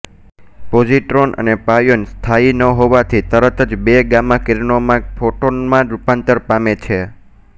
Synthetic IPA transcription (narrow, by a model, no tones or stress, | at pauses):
pod͡ʒiʈɾonʔə̰nepajonst̪ʰainəɦoʋat̪ʰit̪əɾət̪əd͡ʒbeɡamãkeɾnomãfoʈonmãɾupãnt̪əɾpamet͡ʃʰe